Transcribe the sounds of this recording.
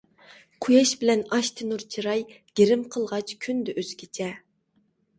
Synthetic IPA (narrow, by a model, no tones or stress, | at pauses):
qʰujɑʃbɪlɛnɑʃt̪ʰɪnuɾt͡ʃʰiɾɑj | ɡ̥ʲeɾɪmqʰəlˠʁɑt͡ʃʰkʲʰynd̪ɛʔøz̥ɡʲʰet͡ʃʰɛ